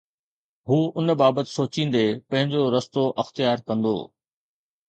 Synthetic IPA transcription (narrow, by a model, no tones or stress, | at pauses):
ɦuːʊn̆baːbət̪ɪ̥̆soːt͡ɕĩːn̆d̪epɐ̃ɦɪ̃ɲd͡ʑoɾɐst̪oʔɐxt̪ijaːɾkɐ̃nd̪o̰ː